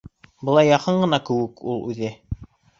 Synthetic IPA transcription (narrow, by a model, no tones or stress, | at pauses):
bɤ̆lˠɑjːɑqɤɴɢɤ̆nɑkɘ̆wɘkulˠʉðɘ